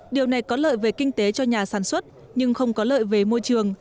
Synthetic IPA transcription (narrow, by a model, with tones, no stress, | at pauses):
ɗi˨˩əwna˨˩jkɔ˨˦lə̰ː˧˨jve˨˩kï˧ŋ̟t̪e˨˦t͡ɕɔ˧ɲaː˨˩saː˧˩nswə˦˥t̚ | ɲɨ˧ŋxə˧wŋ͡mkɔ˨˦lə̰ː˧˨jve˨˩mo˧jt͡ɕɨ˨˩əŋ